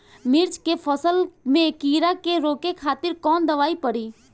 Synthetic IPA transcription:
mɪɾt͡ʃkepʰɔsəlmẽkiːɾakeɾoːkekʰaːt̪ɪɾkɔːnd̪əʋaːipəɽiː

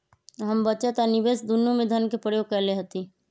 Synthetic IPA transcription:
ɦɐmbət͡ʃət̪ɔnɪbeːsd̪unjõmẽd̪ʱənkepɾəjoːɡ̚kɛɦleɦət̪i

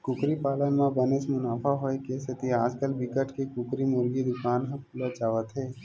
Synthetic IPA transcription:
kʊkɾipaːlənmãbɛnesmʊnaːfʰaɦoekesɪt̪iaːd͡ʒkəlbɪkəʈkekʊkɾimʊɾɡid̪ʊkaːnɦə̃pʊlət͡ʃaːʋət̪ɦɛː

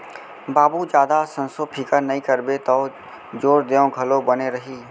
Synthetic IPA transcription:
baːbud͡ʒaːd̪asə̃nsopʰɪkəɾnɐĩkəɾbet̪oː | d͡ʒoːɾd̪eõɡʱɐlobəneɾɐɦiː

